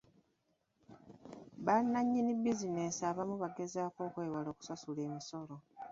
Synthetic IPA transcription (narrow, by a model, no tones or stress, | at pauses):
βanːaɲːinibizinesaːβamuβaɡe̞zaːko̞ːkwe̞ːwalo̞ːku̥sasule̞ːmiso̞lo̞